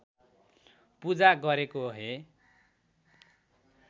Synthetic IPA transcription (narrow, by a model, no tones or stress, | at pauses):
pud͡zaɡʌɾekoɦe